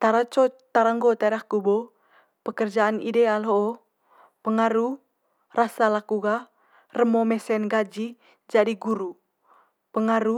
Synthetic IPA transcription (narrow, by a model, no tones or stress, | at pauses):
t̪aɾat͡ʃɔt̪aɾaŋɡɔt̪aɾahkubo | pəkərd͡ʒaanḭdealoʔː | pəŋaɾu | rasalakuɡa | rəmomɛsɛnɡad͡ʒi | d͡ʒadiɡuɾu | pəŋaɾu